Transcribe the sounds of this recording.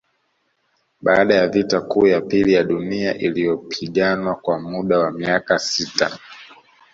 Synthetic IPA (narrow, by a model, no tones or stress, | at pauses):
ɓaːɗajavitakuːjapilijaɗuniaʔilijɔpʰiɠanwakwamuɗawamiakasita̰